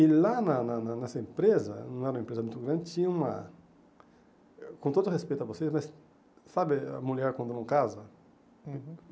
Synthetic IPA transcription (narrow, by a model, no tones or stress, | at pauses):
ɪlanɐnɐnɐnɛsɐẽmpɾezɐ̰nɐ̃w̃ɛɾũmɐẽpɾezɐmũj̃t̪ʊɡɾɐ̃nd͡ʒɪt͡ʃĩɲɐ̃ũmɐ̰ | kõnt̪od̪ʊhespejt̪ʊɐvosejzmɐs | sabɪɐ̰muʎɛɾkwɐ̃nd̪ʊnɐ̃w̃kazɐ